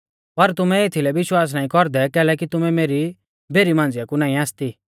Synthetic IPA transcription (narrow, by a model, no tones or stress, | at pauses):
pɐɾt̪ʊmɛeːt̪ʰilɛʋɪʃwaːs̬naːĩkɔɾd̪ɛkɛːlɛk̬it̪ʊmɛmeːɾi | bʱeːɾimãːnd͡zɪjakunaːĩaːst̪i